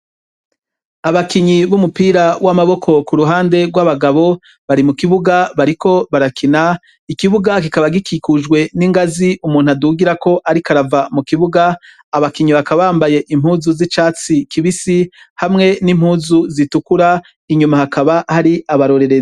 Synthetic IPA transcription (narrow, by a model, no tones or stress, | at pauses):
aβakiɲiβumupiːɾawʔamaβo̞kʰo̞kuɾuɦaːnde̞ɡwaβaɡaβo̞ | βaɾimukiβuɡaβaɾiko̞βaɾakʰina | ikiβuɡakikaβaɡikikuʒɡwe̞niŋɡaziʔumuːn̥uaduɡiɾako̞ʔaɾikaɾavamukiβuɡaː | βakiɲiβakaβaaːmbaje̞ʔim̥huːzuzit͡ʃaːt͡sikiβisi | hamŋe̞nim̥huːzuzitukuɾa | iɲumahakaβahaɾiʔaβaɾo̞ɾe̞ɾez